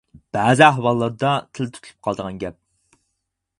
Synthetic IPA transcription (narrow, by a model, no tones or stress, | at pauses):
b̥æːzɪæɦwɑlˠːɑɾd̪ɑt̪ʰɪlt̪ʰy̥t̪ʰlˠy̥p̚qʰɑlˠd̪əʁɑnɡʲɛp̚